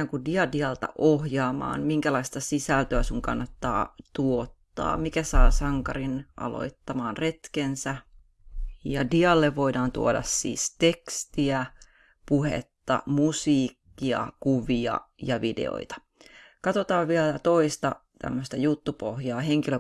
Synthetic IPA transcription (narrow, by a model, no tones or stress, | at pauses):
æːŋkudiɑdiɑlt̪ɑ̰ʔohjɑːmɑ̰ːnmiŋkælɑist̪ɑsisælt̪øæsuŋkɑ̰nːɑt̪ːɑ̰ːt̪uot̪ːɑ̰ːmikæsɑːsɑŋkɑrinʔɑ̰lo̰it̪ːɑmɑːnret̪kensæ | jɑdiɑlːeʋːo̞idɑːnt̪uodɑ̰ssḭːst̪ekst̪iæ | puhḛt̪ːɑ̰musiːkːiɑ̰kuʋiɑ̰jɑʋidḛo̰it̪ɑ̥ | kɑt̪ot̪ɑːʋʋiælt̪oist̪ɑt̪æ̰mːøst̪ɑjut̪ːupohjɑːheŋkilø